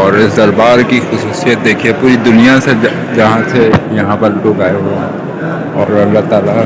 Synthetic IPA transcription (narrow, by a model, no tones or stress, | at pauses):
ɔːɾɪsd̪ɐɾbaːɾkixʊsuːsijət̪̚d̪eːkʰiepuːɾid̪ʊnijase | d͡ʒɐɦãsejɐɦãpəɾloːkaːeɦue | ɔːɾɐlːaɦt̪aːla